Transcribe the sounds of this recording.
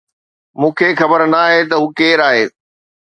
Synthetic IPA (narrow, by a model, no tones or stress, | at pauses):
mũːkʰexɐbəɾnaːɦet̪̬ɐɦuːkeːɾaːɦeː